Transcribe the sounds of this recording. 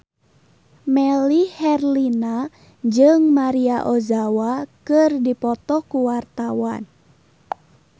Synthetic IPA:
mɛlihɛrlina | d͡ʒɨŋmaɾiaʔozawakɨrdipɔt̪ɔhkuwart̪awan

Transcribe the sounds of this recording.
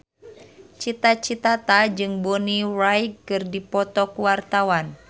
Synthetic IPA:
t͡ʃit̪at͡ʃit̪at̪ad͡ʒɨŋbɔnirajkkːɨrdipɔt̪ɔkuwart̪awan

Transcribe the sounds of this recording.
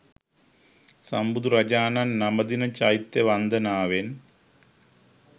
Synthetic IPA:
sɐmbud̪urɐd͡ʑaːnaːnnɐmɐd̪inɐt͡ɕajt̪ːeʋɐnd̪ɐnaːʋen

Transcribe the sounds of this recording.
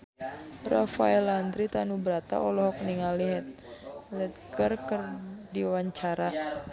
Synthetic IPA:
rafa̰ɛland̪ɾit̪anubəɾat̪a̰ʔɔlɔɦɔk̚niŋaliɦɛt̪̚lɛt̪̚kərkərdiwaɲt͡ʃaɾa

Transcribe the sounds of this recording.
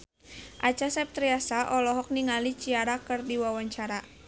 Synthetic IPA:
ʔat͡ʃasɛp̚t̪ɾiasaʔɔlɔɦɔk̚niŋalit͡ʃiaɾakɨrdiwawaɲt͡ʃaɾa

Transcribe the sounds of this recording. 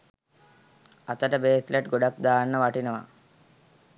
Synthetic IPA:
ɐt̪əʈəbeːsleʈɡoɖak̚d̪aːnːəʋaʈinəʋa̰

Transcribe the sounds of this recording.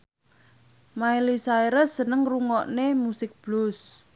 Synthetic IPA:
maelisaeɾəsənəŋruŋɔʔnemusɪk̚b̥lʊs

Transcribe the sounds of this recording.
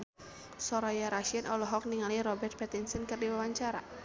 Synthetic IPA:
sɔɾajaɾaʃianʔɔlɔɦɔk̚niŋaliɾɔbɛrt̪̚pɛt̪insənkɨrdiwawaɲt͡ʃaɾa̰

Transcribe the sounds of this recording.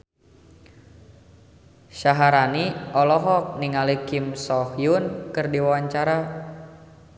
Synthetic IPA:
ʃaɦaɾaniɔlɔɦɔk̚niŋalikimsɔhjunkɨrdiwawaɲt͡ʃaɾa

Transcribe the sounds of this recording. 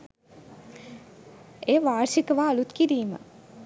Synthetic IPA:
eːʋaːɾʃikəʋaːlut̪kiɾiːmə̰

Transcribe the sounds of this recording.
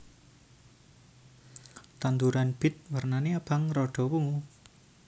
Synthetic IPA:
t̪and̪uɾanb̥ɪ̤t̪̚wərnaneab̥a̤ŋɾɔɖ̥ɔ̤kumu

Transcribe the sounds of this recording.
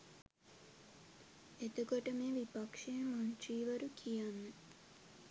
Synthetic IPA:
et̪ukoʈəmeːʋipakʂejəmoɲt͡ʃiːʋəɾukʰijanːə

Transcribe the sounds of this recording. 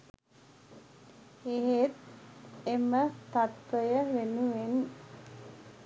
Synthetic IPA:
eɦet̪emət̪at̪ʋəjəʋenuʋen

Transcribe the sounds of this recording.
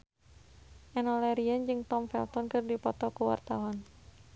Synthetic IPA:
ʔɛnɔlɛɾiand͡ʒɨŋt̪ɔmfɛ̰lt̪ɔnkɨrdipɔt̪ɔkuwa̰rt̪awan

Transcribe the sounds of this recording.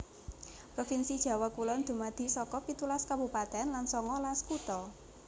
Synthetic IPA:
pɾɔfinsid̥ʒ̥a̤wakulɔnd̪̥ṳmad̪̥i̤sɔkɔpit̪ulaskabṳpat̪ɛnlansɔŋɔlaskut̪ɔ

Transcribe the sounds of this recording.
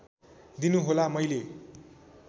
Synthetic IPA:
d̪inuɦolamʌjle

